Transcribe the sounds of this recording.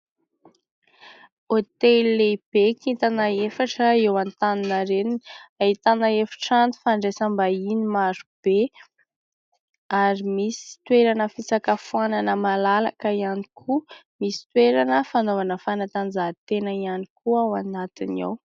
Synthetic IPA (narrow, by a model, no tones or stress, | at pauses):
ot̪elːeb̥ekit̪anaefaʈ͡ʂəewant̪aninəɾeninait̪anaefḁʈ͡ʂant̪u̥faɳɖ͡ʐesəmbainimaɾub̥e | aɾimisi̥t̪weɾanəfit͡sakəfuananəmalala̰kəianikʰumisi̥t̪weɾanəfanovanəfanat̪and͡zat̪enəianikuawanat̪ina̰w